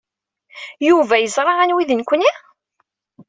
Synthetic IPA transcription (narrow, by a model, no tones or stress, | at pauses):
juvæjəzˤɾˤɑʁænwiðənkʷni